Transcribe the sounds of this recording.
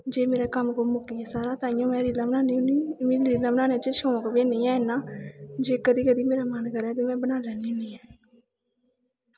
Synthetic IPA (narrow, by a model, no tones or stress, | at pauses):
d͡ʒeːmeːɾɛːkəmkoːmʊkiːɛːsaːɾaːt̪ãːɪjõːmɛ̃ːɾiːləmnaːnːiːmːɾiːləbnaːnet͡ʃeʃõːkbeːnĩːɛ̃ːenãːd͡ʒeːkəd̪iːkəd̪iːmeːɾaːmənkəɾɛ̃ːt̪̬eːmɛ̃ːbənaːlɛːnĩːʊniːɛː